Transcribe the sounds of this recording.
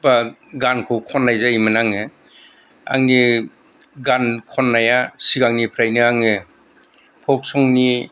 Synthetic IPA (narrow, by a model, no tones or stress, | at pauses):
baɡankʰɯwkʰɔnːajzaimɯnaŋɯ | a̰ŋni | ɡankʰɔnːajasiɡaŋnipʰɾajnɯaŋɯ | pʰɔk̚sɔŋni